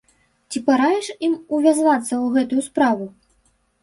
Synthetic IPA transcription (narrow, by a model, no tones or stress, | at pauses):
t͡sʲipaɾajɛʂimuvʲazvat̪sːɐwɣɛt̪ujuspɾavu